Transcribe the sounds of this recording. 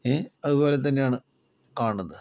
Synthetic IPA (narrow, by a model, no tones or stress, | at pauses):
eɐðubo̞ːle̞t̪̬ːɐnːe̞jaːɳɨ | kaːɳɐðɨ